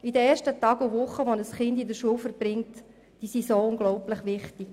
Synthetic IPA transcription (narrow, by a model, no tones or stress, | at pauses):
idəɾɛːrʃtətɑːɡuʋʊχːəʋonəsχɪndidəɾʃuəlfəɾb̥ɾɪŋt | d̥iːsisoʊŋɡlɔʊpləχʋɪχtik